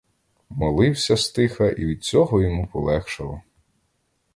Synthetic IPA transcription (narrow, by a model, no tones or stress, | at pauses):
mɔlˠɪwsʲɐst̪ɪxɐʔiʋʲid̪̚t͡sʲɔɦɔjɔmupɔlˠɛxʃɐlˠɔ̰